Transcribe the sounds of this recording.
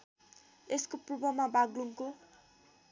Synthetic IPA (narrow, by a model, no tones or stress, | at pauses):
eskoprubʌmabaɡluŋko